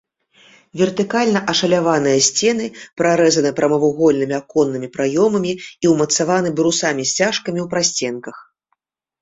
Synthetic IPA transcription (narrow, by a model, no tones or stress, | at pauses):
vʲɛrt̪ɨkalʲnɐʔɐʂɐlʲavan̪ɨjɐsʲt͡sʲɛnɨpɾaɾɛzɐnɨpɾɐmɐvuɣɔlʲnɨmʲiakɔnːɨmʲipɾajɔmɐmʲiiwmɐt̪savanɨbɾusamʲisʲt͡sʲaʂkɐmʲiwpɾasʲt͡sʲɛnkɐx